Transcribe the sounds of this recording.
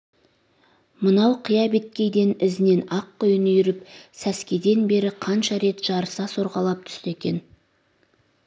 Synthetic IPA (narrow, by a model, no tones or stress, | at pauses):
mənɑwqʰəjɑbe̞t̪̚kʲe̞jd̪e̞nɪzɪne̞nɑqːojənʏjʏɾɪpsæskʲe̞d̪e̞nbe̞ɾɪqʰɑnʃɑɾe̞t̪ʒ̥ɑɾəsɑso̞ɾʁɑlˠɑp̚t̪ʰʏ̥st̪e̞kʲe̞n